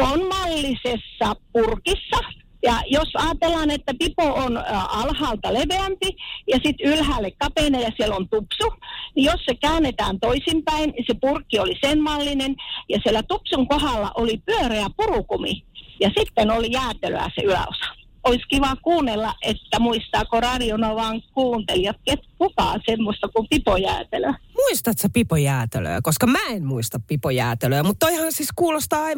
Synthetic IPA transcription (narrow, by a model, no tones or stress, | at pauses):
onmɑlːisesːɑpurkisːɑ | jɑjosɑːt̪elːɑːnet̪ːæpipoonɑlhɑːlt̪ɑleʋeæmpijɑsit̪ylhæːlːekkɑpeˑnɑjɑsielont̪upsunijossekæːnːet̪æːnt̪oisimpæinisepurkːiolisenmɑlːinenjɑsielːæt̪upsuŋkohɑˑlːɑ̰ʔolipyøreæpurukumḭjɑsit̪ːenolijæːt̪elø̰æ̰sḛyæ̰o̰sɑ̥ | oiskiʋɑkuːnːelːɑʔet̪ːæmuist̪ɑːkorɑrionoʋɑːŋkuːnt̪eliɑt̪̚ket̪kukɑ̰ːsemːost̪ɑkumpipojæ̰ːt̪eløæmuist̪ɑt̪sepipojæːt̪elø̰ːkoskɑmæenmuist̪ɑppipojæːt̪eløːmut̪t̪ːoihɑnsiskuːlost̪ɑːɑi